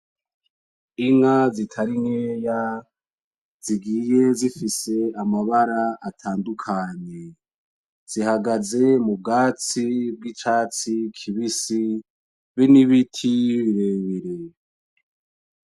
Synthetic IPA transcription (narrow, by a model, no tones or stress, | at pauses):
iŋazitʰaɾiŋeːja | z̥iɡiːje̞zifise̞amaβaɾaatʰaːndukʰaɲe | z̥ihaɡaze̞mub̚ɡaːt͡sib̚ɡit͡ʃaːt͡sikʰiβisi | βiniβitʰiβiɾeβiɾe